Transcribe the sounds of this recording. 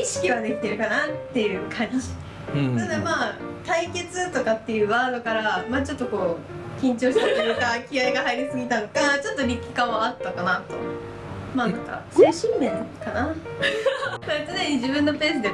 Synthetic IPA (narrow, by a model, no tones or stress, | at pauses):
iɕi̥kʲiβad̪e̞kʲi̥t̪e̞ɾɯ̟kanat̪ːe̞jɯ̟ːkʰãɲɕi̥ | nad̪amaːt̪aike̞t͡sɨt̪o̞kat̪ːe̞jɯ̟ːβaːd̪o̞kaɾamaːt͡ɕo̞t̪ːo̞ko̞ːkʲĩɲ̟t͡ɕo̞ːɕi̥t̪akiɯkakʲiaiɡaɦaiɾʲisɨɡʲit̪anokat͡ɕo̞t̪ːo̞ɾʲikʲːi̥kaβat̪ːakanat̪o̞̰ | maːnãŋka̰soɕĩmmẽ̞nkana | saet̪ɨnẽɲ̟id͡ʑibɯ̟̃nːo̞pe̞ːsɨd̪e̞